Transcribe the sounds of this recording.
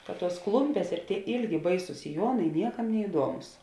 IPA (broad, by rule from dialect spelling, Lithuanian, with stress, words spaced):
kɐt ˈtuɔs ˈklˠʊmʲpʲeːs ɪr tʲiɛ ˈɪlʲɡʲɪ ˈbɐɪsʊs sʲɪˈjuɔnɐɪ ˈnʲiɛkɐm nʲɛɪˈduɔmʊs